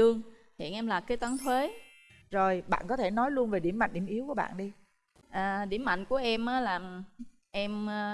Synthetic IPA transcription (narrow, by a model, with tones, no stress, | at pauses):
ɨ˧əŋhḭ˧˨ənʔɛ˧mlaː˨˩kaː˨˦jt̪waː˨˦nt̪ʰwe˨˦ | zo˨˩jɓa̰ː˧˨nkɔ˨˦t̪ʰe˧˩nɔ˨˦jlu˧ənve˨˩ɗi˧˩əma̰˧˨jŋ̟ɗi˧˩əmʔi˨˦əwku˧˩əɓa̰ː˧˨nɗi˧ | ʔaː˨˩ɗi˧˩əmːa̰˧˨ŋ̟ku˧˩əʔɛ˧mʔaː˨˦laː˨˩ | ʔɛ˧m˧